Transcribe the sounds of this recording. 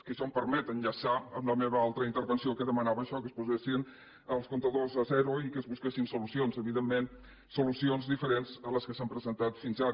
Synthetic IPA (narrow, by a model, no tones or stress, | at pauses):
kəʃɔmpəɾmɛt̪ənʎəsaəmləmeβəalˠt̪ɾəint̪əɾβənsiokəðəmənaβəːʃɔkəspuzesin | əlˠskont̪əðozəzɛɾuikəzβuskesinsulusionzəβiðemːen | sulusionzðifəɾenzələskəsampɾəzənt̪at̪finza